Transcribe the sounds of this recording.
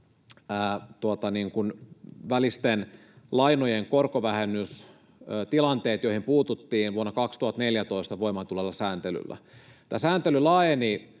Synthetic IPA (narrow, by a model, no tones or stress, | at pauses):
æːt̪uot̪ɑniːŋkunʋælist̪en | lɑinojeŋkorkoʋæhenːˑys | øːt̪ilɑnt̪eːt̪joihimpuːt̪ut̪ːiːnʋuonːɑkɑkst̪uhɑt̪neljæt̪oist̪ɑʋoimɑt̪ulelːɑsæːnt̪ely̰lːæ̰t̪æsæːnt̪elylɑːjeni